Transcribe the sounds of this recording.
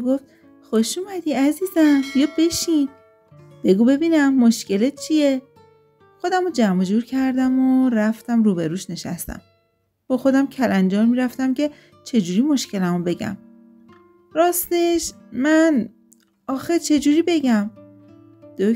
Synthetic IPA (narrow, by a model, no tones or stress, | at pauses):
ɡoft̪̚ | xoʃuːmæd̪iæziːzænjɒːbe̞ʃin | b̥e̞ɡuːbe̞biːnæmːoʃce̞let̪̚t͡ʃʰije | xo̞d̪æmod͡ʒæmod͡ʒuːɾcʰæɾd̪æmoɾæft̪æmɾuːbeɾuːʃne̞ʃæ̰st̪æ̰m | b̥ɒxo̞d̪æmcʰælænd͡ʒɒːɾmiɾæft̪æmcʰe̞ | t͡ʃʰe̞d͡ʒuːɾiːmo̞ʃce̞læmobe̞ɟæ̰m | ɾɒːst̪eʃ | mæn | ɒːxet͡ʃʰe̞d͡ʒuːɾiːbe̞ɟæm | d̪̥o